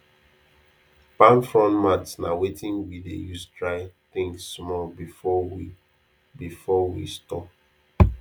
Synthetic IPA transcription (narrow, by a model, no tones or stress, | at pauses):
pãnfɹɔ̃nmatsnawetʰĩnwidḛjusdɹaɪθɪ̃ŋsːmɔlbifɔwi | bifɔwḭstɔp̚